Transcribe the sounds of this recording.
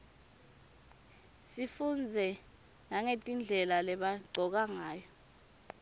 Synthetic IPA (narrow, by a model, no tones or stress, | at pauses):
sifund͡zʱɛ | naŋetʼind͡ɮʱɛlalɛɓaɡ͡ǀʱɔk̬aŋaːjɔ